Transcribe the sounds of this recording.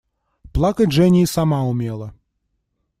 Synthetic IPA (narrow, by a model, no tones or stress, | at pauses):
plˠakɐtʲʐɛnʲiisamaumʲelˠɐ